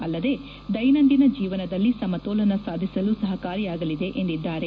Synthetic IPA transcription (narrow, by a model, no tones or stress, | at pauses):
ɐlːɐd̪e̞ | d̪ɐjnɐnd̪inɐd͡ʒiːʋɐnɐd̪ɐlːisɐmɐt̪oːlɐnɐsaːd̪ʱisɐlusɐɦɐkaːɾijaːɡɐlid̪e̞ʔend̪id̪ːaːɾe